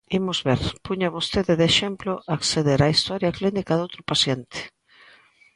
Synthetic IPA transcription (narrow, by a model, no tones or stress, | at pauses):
imʊzβeɾpuɲaβost̪eðɪðeʃemploʔakseðeɾaist̪ɔɾjaklinikaðowt̪ɾʊpasjent̪ɪ̥